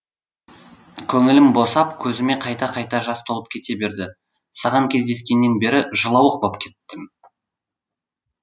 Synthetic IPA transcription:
kʲʰɵŋɪlɪmbo̞sɑpkʲʰɵzɪme̞qʰɑjt̪ɑqʰɑjt̪ɑʒɑst̪ʰo̞lˠəp̚kʲʰe̞t̪e̞be̞ɾd̪ɪ | sɑʁɑŋkʲʰe̞zd̪e̞skʲe̞nːe̞nbe̞ɾɪʒəlˠɑwəq̚bop̚kʲʰe̞t̪ːɪm

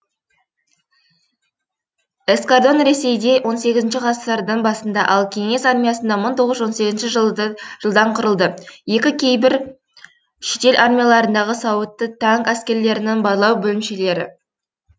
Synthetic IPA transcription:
eskard̪o̞nɾe̞se̞jd̪e̞wʔo̞nse̞ɡʲɪzɪnʃɪqʰɑsəɾd̪əɴbɑsənd̪ɑʔɑlˠkʲʰe̞ŋe̞sɑɾmʲijɑsənd̪ɑməŋt̪ʰo̞ʁəzwo̞nse̞ɡʲɪznʃɪʒəʒ̥əlˠd̪ɑɴqʰʊɾəlˠd̪əje̞kʲɪkʲʰe̞jbɪɾ | ʃet̪e̞lʔaɾmʲijalˠɑɾənd̪ɑʁəsɑwət̪ːət̪ʰɑŋkæskʲe̞ɾle̞ɾɪnɪŋbɑɾlˠɑwbɵlɪmʃe̞le̞ɾɪ̰

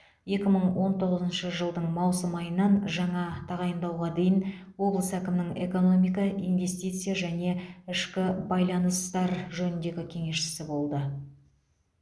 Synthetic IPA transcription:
je̞kʲɪməɴwo̞nt̪ʰo̞ʁəzənʃəʒəlˠd̪əɴmɑwsəmɑjənːɑnʒɑɴɑt̪ʰɑʁɑjənd̪ɑwʁɑd̪e̞jɪn | wo̞blˠəsækʲɪmɪnɪŋe̞ko̞no̞mijkɑijnve̞st̪ijt̪sɨjaʒæne̞ɪʃkʲɪbɑjlˠɑnəst̪ɑɾʒɵnɪnd̪e̞ɡʲɪkʲʰe̞ŋe̞ʃɪ̥sɪbo̞lˠd̪ə

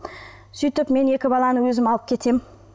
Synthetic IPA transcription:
syjt̪ɪpme̞ne̞kʲɪbɑlˠɑnəwɵzɪmɑlˠəp̚kʲʰe̞t̪ʰe̞m

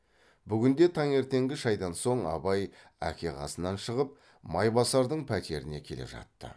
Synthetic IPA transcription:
bʏɡʲɪnd̪e̞t̪ʰɑɴe̞ɾt̪e̞ŋɡʲɪʒɑjd̪ɑnso̞ɴɑ̰bɑj | æ̰kʲe̞qʰɑ̰sənɑnʃəʁəp̚ | mɑjbɑsɑɾd̪əɴpʰæt̪e̞ɾɪne̞kʲʰe̞le̞̰ʒɑ̰t̪ːə̰

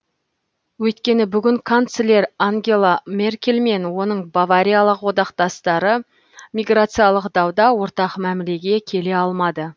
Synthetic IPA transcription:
wɵjt̪kʲe̞nɪbʏɡʲɪŋkʰant̪selʲe̞ɾaŋɡʲe̞lˠame̞rkʲe̞lme̞nwo̞nəɴbavaɾʲijalˠəqwo̞d̪ɑqt̪ɑst̪ɑɾə | mʲijɡrat̪sɨjalˠəqd̪ɑwd̪ɑwo̞ɾt̪ɑqmæmle̞ɡʲe̞kʲʰe̞le̞ɑlˠmɑd̪ə

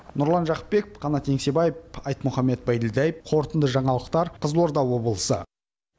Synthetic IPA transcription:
nʊɾlˠɑnʒɑqə̥p̚be̞kɪpqʰɑnɑt̪ːe̞ŋse̞bɑjəpɑjt̪mʊχɑmːe̞t̪̚bɑjd̪ɪlʲd̪æjəp̚qʰo̞ɾt̪ənd̪əʒɑɴɑlˠəqt̪ɑɾqʰəzlˠoɾd̪ɑwwo̞bəlˠəsə̰

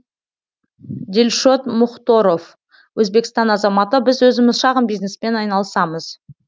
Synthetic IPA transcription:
d̪ʲelʲʃo̞t̪mʊχt̪oɾo̞v | wʔɵzbe̞kst̪ɑnɑzɑmɑt̪əbɪzwɵzɪmɪzʃɑʁəmbijznespe̞nɑjnɑlˠəsɑməz̥

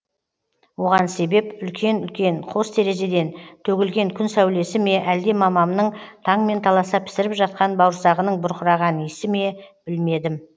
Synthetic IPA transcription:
wo̞ʁɑnse̞be̞pʏlkʲe̞nʏlkʲe̞ɴqʰo̞st̪ʰe̞ɾe̞ʒe̞d̪e̞nt̪ʰɵɡʲɪlɡʲe̞ŋkʲʰʏnsæwle̞sɪme̞ʔæld̪e̞mɑmɑmnəɴt̪ʰɑɴme̞nt̪ʰɑlˠɑsəpʰɪ̥sɪɾɪpʒɑt̪̚qɑnbɑwɾsɑʁənəɴbʊɾqəɾɑʁɑnjesɪme̞b̥ɪlme̞d̪ɪm

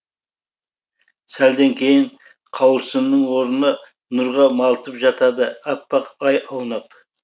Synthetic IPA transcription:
sæld̪eŋkʲʰe̞jɪɴ | qʰɑwəɾsənːəɴwo̞ɾənɑ | nʊɾʁɑmɑlˠt̪əpʒɑt̪ɑd̪əɑpːɑqɑjɑwnɑp

